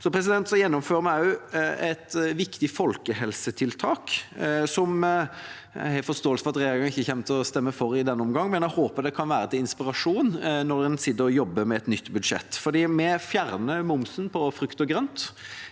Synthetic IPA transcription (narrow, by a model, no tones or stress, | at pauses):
sɔpʰɾɛs̬ɪd̪ɛnt̪sɔjɛnːɔmføːɾəmæʉɛt̪ʋɪkt̪ɪfɔlkəhɛlsət̪ʰɪlt̪ʰɑːksɔm̰ | hɛfɔst̪oːəlsəfɔʁɑt̪ɾɛjeːɾɪɡɑŋɪçːəçɛmt̪ʰɔst̪ɛmːəfɔɾɪd̪ɛnːəɔmɡɑŋːmɛnæhoːpəd̪ɛkʰɑnʋæːɾət̪ʰɪlɪnspɪɾɑʂuːnnɔɾɛnsɪd̪ːəɾɔjɔbːəmɛːɛt̪nʏt̪ːbʉd̪ʂɛ̰t̪ːfɔd̪iːmɛfjæɾnəmʊmsnpʰɔfɾʉkt̪ɔɡɾœnt̪